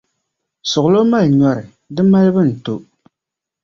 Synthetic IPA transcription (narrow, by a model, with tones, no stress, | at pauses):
sʊ˨ɣʊ˨lo˦ma˦lɲɔ˦ɾɪ˨ | dɨ˦ma˦lbɨ˦n̩˨to˦